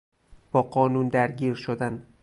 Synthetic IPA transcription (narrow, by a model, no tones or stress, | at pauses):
b̥ɒːɢɒːnund̪æɾɟiːɾʃod̪æn